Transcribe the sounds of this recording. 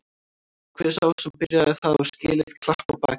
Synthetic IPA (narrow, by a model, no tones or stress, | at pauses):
kʰvɛːɾɾ̥awsɛmpɪɾjaðɛθaðɛɾ̥scɪ̰ːlɪst̪kʰl̥ahpawpa̰ːc